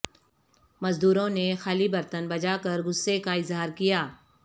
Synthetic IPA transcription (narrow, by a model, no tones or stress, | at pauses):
mɐzd̪uːɾõnexaːlibɐɾt̪ənbɐd͡ʒaːkɐɾɡʊsːekaɪzɦaːɾkijaː